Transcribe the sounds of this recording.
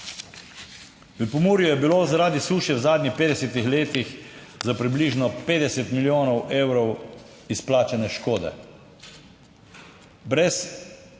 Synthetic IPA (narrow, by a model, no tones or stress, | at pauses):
ʋəpɔmuːɾjujɛbilozaɾaːd̪isuːʃjɛwzaːd̪nʲixpeːd̪ɛsɛt̪ixleːt̪ix | zapɾibliʒnɔpeːd̪ɛsɛt̪miljoːnɔweːwɾɔw | isplaːt͡ʃɛnɛʃkoːd̪ɛ̰ | bɾɛs